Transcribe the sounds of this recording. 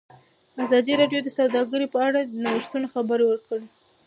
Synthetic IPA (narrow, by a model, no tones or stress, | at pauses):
azɑd̪iɾɑɖjod̪əsawd̪ɑɡəɾipəaɽad̪ənawiʃt̪unoxabəɾewəɾkəɽe